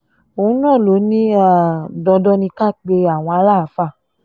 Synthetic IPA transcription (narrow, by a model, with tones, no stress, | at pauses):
o˨ũ˦nã˦˨lo˨˦nĩ˦a˦˨dɔ̃˧dɔ˦nĩ˧ka˦˨k͡pe˧a˨w̃ɔ̃˧a˨˧˦la˦˨˦fa˦˨